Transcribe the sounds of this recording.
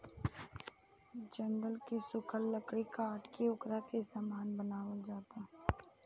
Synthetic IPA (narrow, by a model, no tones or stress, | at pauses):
d͡ʒə̃ŋɡəlkesʊkʰəlːəkɽikaəʈkiʊkɾakesamaːnbənaːʋəld͡ʒaːt̪aɦ